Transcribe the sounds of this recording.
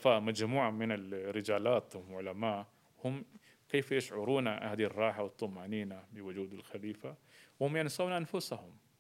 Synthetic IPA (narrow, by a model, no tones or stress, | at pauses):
faːʔmad͡ʒmuːʕamɪnɪlɾːɪd͡ʒaːlaːt̪ʕʊlamaːʔ | hʊm | keːfjɪʃʕʊɾuːnaʔa̰had̪rˤːɑːħawɨt̪ˤːʊmaːniːnabɪwʊd͡ʒuːd̪ɪlxaliːfawhʊmjansˤawnʔanfʊshʊm